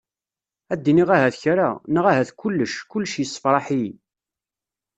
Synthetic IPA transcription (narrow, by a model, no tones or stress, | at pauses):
æd̪ːiniʁæɦæθçɾanəʁæɦæθkʊlːəʃkːʊlːʃjəsːə̥fɾˤɑħi